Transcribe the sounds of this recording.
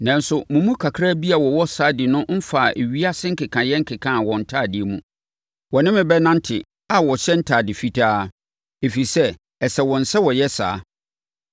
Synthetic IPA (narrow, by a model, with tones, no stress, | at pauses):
nã˨n˦sʊ˨mũ˨mũ˦kʰa˨kʰɾa˦bi˦a˨wɔ˨wɔ˦saː˨˦dɪ˨nʊ̃˦m̩˦fa˨ʔe˨ɥi˦a˦sɪ̃˦ŋ̩˦kʰɪ˨kʰã˨jɛ̃˦ŋ̩˦kʰɪ˨kʰã˦˨wɔ̃˨n̩˨tʰa˦˨dɪ˨e˨mũ˨ | wɔ˨nɪ̃˦mɪ̃˨bɛ˦nã˦n˦tʰɪ˨ | a˨wɔ˨ɕɛ˦n̩˦tʰaː˨dɪ˨fi˦tʰaː˦ | e˨fi˨i˨sɛ˦ | ɛ˨sɛ˨wɔ̃˨n̩˨sɛ˦wɔ˨jɛ˦sa̰ː˨˦